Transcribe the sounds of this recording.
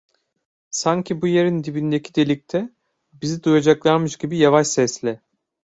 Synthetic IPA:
saɲcʰibuje̞ɾind̪ibind̪ecʰid̪e̞lʲic̚t̪ʰɛ | bizid̪ujad͡ʒaklˠaɾmɯʃɟibijavaʃsɛslʲɛ

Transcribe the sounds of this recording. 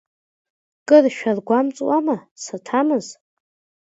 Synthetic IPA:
kʼɨrʃᶣarɡʷamt͡sʼwamasatʰamɨz

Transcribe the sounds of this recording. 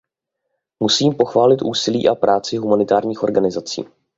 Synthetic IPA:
musiːmpo̞xvaːlɪt̪ʔuːsɪlḭːʔapɾʔaːt͡sɪɦumanɪt̪aːɾɲiːxo̞ɾɡanɪzat͡sḭː

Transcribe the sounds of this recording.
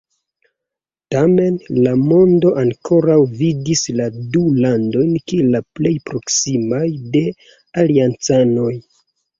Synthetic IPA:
tame̞nlamo̞ndo̞ʔaŋkʰo̞ɾawvidisladulando̞jnkilaple̞jpɾo̞ksimajde̞ | aliant͡sano̞j

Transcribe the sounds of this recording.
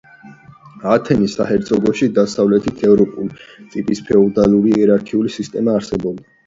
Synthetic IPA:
at̪ʰɛnisahɛɾt̪sʼɔɡɔʃid̪asavlɛt̪ʰit̪ʰɛvɾɔpʼulsʼipʼispʰɛɔd̪alˠuɾiɛɾaɾkʰiulisist̪ʼɛmaːɾsɛbɔbd̪a

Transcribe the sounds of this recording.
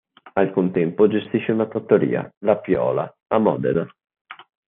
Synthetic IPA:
alkunt̪ɛmpod͡ʒest̪iʃːeunat̪ot̪ːoɾḭːa̰lapjɔ̰ːla | amɔːd̪ḛd̪a

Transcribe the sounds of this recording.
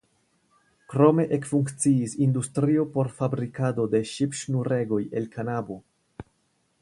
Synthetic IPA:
kɾo̞me̞ʔekfuŋkt͡siisindustɾio̞po̞ɾfabɾikado̞de̞ʃipʃnuɾe̞ɡo̞je̞lkʰanabo̞

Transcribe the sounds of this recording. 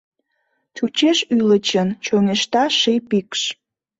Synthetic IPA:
t͡ɕut͡ɕeʃylət͡ɕənt͡ɕoŋeʃt̪ɑʃejpikʃ

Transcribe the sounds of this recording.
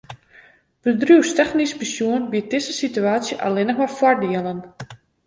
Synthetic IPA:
b̥ədruːwstɛxnispisjuənbiət̚dɪsəsityaːsjəʔa̰lɪnəxmarfwɔrdiəlˠən

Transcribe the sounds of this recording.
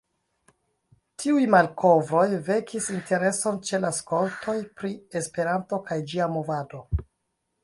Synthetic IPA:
tʰiujmalko̞vɾo̞jve̞kʰisintʰe̞ɾe̞so̞nt͡ʃe̞lasko̞ltʰo̞jpɾie̞spe̞ɾanto̞kajd͡ʒiamo̞vado̞

